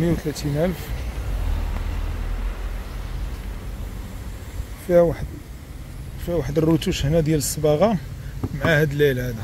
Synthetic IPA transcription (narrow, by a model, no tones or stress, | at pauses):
mjwt̪læt̪inʔælf | fiħ | fiwaħd̪ərːut̪uʃhnæd̪jæləsːəbɑɣɑmʕahæd̪əlːæjlhæd̪æ